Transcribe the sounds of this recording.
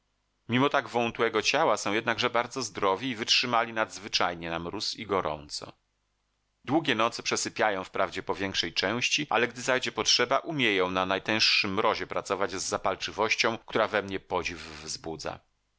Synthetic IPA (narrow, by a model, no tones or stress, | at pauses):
mʲimɔt̪aɡvɔwunt̪uwɛɡɔt͡ɕawasɔ̃w̃jɛd̪naɡʐɛbaɾd̪zɔzd̪ɾɔvʲiːvɘtʂɘmalʲinad̪zvɘt͡ʂajɲɛnamɾusiɡɔɾɔ̰nt̪sɔ̰ | d̪wuɡʲɛnɔt̪sɘpʂɛsɘpʲjajɔ̃w̃fpɾavd͡ʑɛpɔvʲjɛŋkʂɛjt͡ʂɛ̃w̃ɕt͡ɕiʔa̰lɛɡd̪ɘzajd͡ʑɛpɔtʂɛbaʔumʲjejɔ̃w̃nanajt̪ɛ̃w̃ʂʂɘmːɾɔʑɛpɾat̪sɔvad͡ʑzːapalt͡ʂɘvɔɕt͡ɕɔ̃w̃k̚t̪uɾavɛmɲɛpɔd͡ʑivːzbud̪za̰